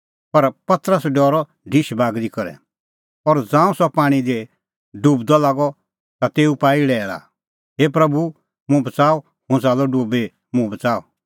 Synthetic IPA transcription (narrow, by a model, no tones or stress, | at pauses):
pɐɾpɐt̪əɾəsɖɔːɾɔ | ɖʱɪʃbaːɡɾikɔɾɛ̰ | ɔːɾd͡zãːũsɔpaːɽ̃id̪e | ɖuːbd̪ɔlaːɡɔ | t̪at̪eːupaːilɛːɭa̰ | ɦep̬ɾɐbu | mʊ̃bɐt͡saːɔ | hʊ̃saːlɔɖuːbe | mũbɐt͡saːɔ̰